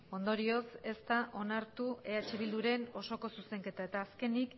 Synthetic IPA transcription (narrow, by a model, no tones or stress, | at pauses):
o̞nd̪o̞ɾio̞se̞st̪aʔo̞naɾt̪ue̞at͡ʃeβ̞ild̪uɾe̞no̞so̞ko̞suse̞ŋke̞t̪ae̞t̪aːske̞nik